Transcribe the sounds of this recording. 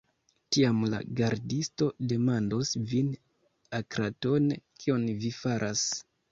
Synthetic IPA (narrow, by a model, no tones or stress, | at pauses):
tiamla̰ɡaɾdisto̞de̞mandosvin | akɾato̞nkʰio̞nvifaɾʔas